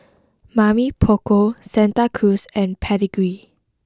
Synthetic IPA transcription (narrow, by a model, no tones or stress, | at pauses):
mamipʰokosɛ̃ntakʰusɛ̃npʰɛdiɡɹi